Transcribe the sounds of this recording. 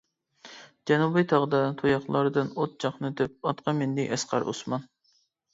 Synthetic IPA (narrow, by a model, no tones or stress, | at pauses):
d͡ʒɛnubɨt̪ʰɑʁd̪ɑt̪ʰojɑχlˠɑɾɨd̪ɨnot̪̚d͡ʒɑχnɨd̪ɪp̚ɑt̪qʰɑmɪnd̪ɪʔɛsqɑ̰ɾʔo̰smɑn